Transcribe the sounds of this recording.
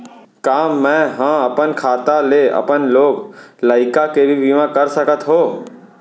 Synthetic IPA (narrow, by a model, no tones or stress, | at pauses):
kaːmːɛ̃ɦãːɐpənkʰaːt̪aleɐ̰pənloːɡlaːɪkakebʱibimãkɐɾsəkət̪ɦoː